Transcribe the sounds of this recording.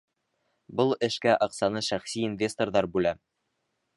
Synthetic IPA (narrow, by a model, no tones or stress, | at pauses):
bɤlˠɘ̆ʃkæʔɑqsɑnɤʃæχsiinvʲest̪orðɑɾbʉlæ